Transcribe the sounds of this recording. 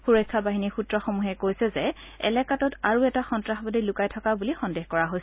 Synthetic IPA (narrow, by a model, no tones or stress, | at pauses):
xuɹɔjkʰːabaɦinixutɹɔxomuɦɛkojsɛzɛɛ̰lɛkatɔtaɹuɛtaxɔntɹaxbɔdelʊkajtʰɔkabulixɔndeɦkɔɹaɦojsɛ